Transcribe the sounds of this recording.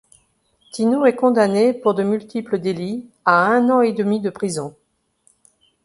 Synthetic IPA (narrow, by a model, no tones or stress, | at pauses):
t̪inuʁɛkɔ̃d̪anepuʁd̪əmylt̪ipləd̪eli | aɛ̃nɑ̃ed̪əmid̪əpχizɔ̃